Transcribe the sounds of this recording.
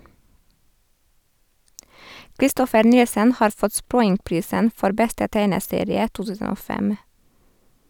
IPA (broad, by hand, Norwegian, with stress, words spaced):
kɾɪˈstɔfəɾ ˈnɪlsən ˈhɑːɾ ˈfɔt ˈspɾɔʏŋˌpɾiːsən ˈfɔɾ ˈbɛstə ˈtæɪnəˌseːɾɪə ˈtuː ˈtʉːsən ˈoː ˈfɛm